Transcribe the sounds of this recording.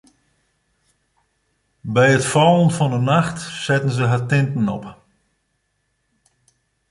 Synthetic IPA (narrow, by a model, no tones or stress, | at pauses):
bɛjətfɔlˠənfɔndənaxtsɛtən̩zəɦatɪntən̩ɔp